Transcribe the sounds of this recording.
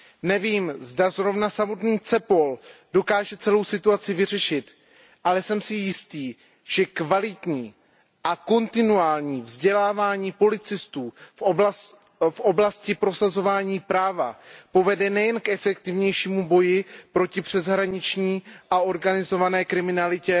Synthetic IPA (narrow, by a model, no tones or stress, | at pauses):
nɛviːmzdazɾo̞vnasamo̞t̪niːt͡sɛpo̞ldo̞kaːʒɛt͡sɛlo̞wsɪt̪uat͡sɪvɪr̝ɛʃɪt̪ | ʔalɛsɛmsɪjɪst̪iː | ʒ̥ɛkvalɪt̪ɲiː | ʔako̞nt̪ɪnuaːlɲiːvzɟɛlaːvaːɲiːpo̞lɪt͡sɪst̪uːfʔob | fʔo̞blascɪpɾo̞sazo̞vaːɲiːpɾaːva̰po̞vɛdɛnɛjɛnkɛfɛkt̪ɪvɲɛjʃiːmubo̞jɪpɾo̞cɪpr̥ɛzɦɾaɲɪt͡ʃɲiːʔao̞ɾɡanɪzo̞vanɛːkɾɪmɪnalɪcɛ